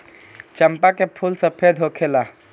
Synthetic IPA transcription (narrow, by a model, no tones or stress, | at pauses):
t͡ʃəmpakepʰulsəpʰed̪ʱɦokʰela